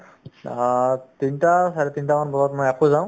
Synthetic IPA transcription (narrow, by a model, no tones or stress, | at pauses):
tinitasaɹɛtinitamanbʱɔlɔtmɔjakɔzãw̃